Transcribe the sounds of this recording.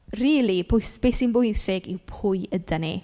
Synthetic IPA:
riːlˠib̥ʊjsb̥esinbʊɨsɪɡiwpʰʊːjədanḭ

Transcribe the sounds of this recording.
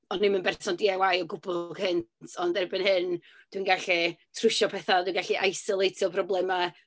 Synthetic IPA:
ɔnːɪmənbɛrsɔndiawajɔɡʊbɔɡ̥hɨntʰɔndɛrbɨnhɨn | d̥winɡaɬitʰrʊʃɔpʰɛθadwinɡaɬiʔajsɔlˠejtʰjɔpʰrɔblˠɛma

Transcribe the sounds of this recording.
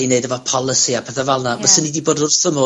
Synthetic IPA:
ineɨdəvɔpʰɔlˠɪsiapʰɛθɛvalˠnavəsənidiboːdʊrθəmʊ

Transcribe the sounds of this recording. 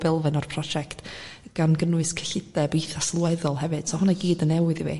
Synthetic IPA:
b̥ɛlˠvɨnɔrpʰr̥ɔd͡ʒɛktɡ̥anɡənwɨskʰə̥ɬɪdɛbejθaslˠwɛðɔlˠɦɛvɨd̥sɔhʊnaɡ̥iːdənɛwɨðivḭ

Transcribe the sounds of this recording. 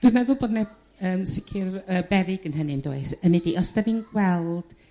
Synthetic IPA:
d̥wɨnmɛðʊlˠboːdnɛ | əːmsɪkʰɪrəːbɛɾɪɡ̥ənɦənɨndo̰ɨsənɛdiʔɔsdɛninɡwɛlˠd̥

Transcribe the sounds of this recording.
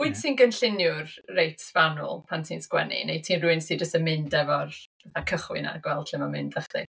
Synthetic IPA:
uɨd̥sinɡənɬɪnjʊrrejtʰvanʊ̰lˠpʰantʰiːnskwɛ̰nḭnejtʰiːnruɨnsid͡ʒəstəmɪndɛvɔrvaθakʰəχwɪ̰na̰ɡwɛlˠd̥ʰɬɪmamɪndəχḭ

